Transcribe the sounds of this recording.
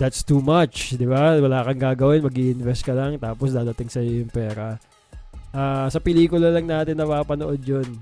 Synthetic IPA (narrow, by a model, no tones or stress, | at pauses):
d̪ɐt̪st̪uːmɐt͡ʃd̪ɪbawɐlaːkɐŋɡaːɡɐwɪnmɐɡiʔɪnvɛst̪̚kɐlɐŋt̪aːposd̪aːɾɐt̪ɪŋsɐjojʊŋpɛːɾɐ | ʔaːsɐpɛliːkʊlɐlɐŋnaːt̪ɪnːɐpaːpɐnoʔod̪̚jon